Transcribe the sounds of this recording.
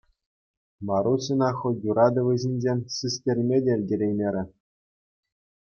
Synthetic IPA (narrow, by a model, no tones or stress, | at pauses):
mɑɾuɕɤnɑxojuɾɑd̪ɤ̆ʋʲɘ̆ʑʲinʲd͡ʑenʲsɯsʲtʲerʲmʲedʲerʲdʲeɾʲejmʲeɾʲɘ̆